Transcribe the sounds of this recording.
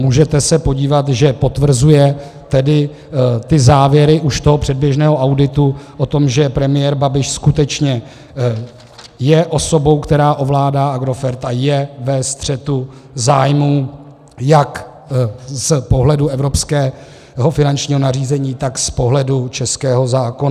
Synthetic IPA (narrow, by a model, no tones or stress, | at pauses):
muːʒɛt̪ɛsɛpoɟiːvat̪ʒɛpo̞t̪vr̩zujɛt̪ɛdɪ | t̪ɪzaːvjɛɾɪʔuʃt̪o̞ɦopr̝̥ɛd̚bjɛʒnɛːɦo̞ʔawdɪt̪uʔot̪o̞mʒɛpɾɛmɪjɛːɾbabɪʃskut̪ɛt͡ʃɲɛ | jɛʔo̞so̞bo̞wkt̪ɛɾaːʔo̞vlaːdaːʔaɡɾo̞fɛɾt̪ʔajɛvɛst̪r̝̥ɛt̪uzaːjmuː | jak | spo̞ɦlɛduʔɛvɾo̞pskɛː | ɦo̞fɪnant͡ʃɲiːɦo̞nariːzɛɲiːt̪akspo̞ɦlɛdut͡ʃɛskɛːɦo̞zaːkona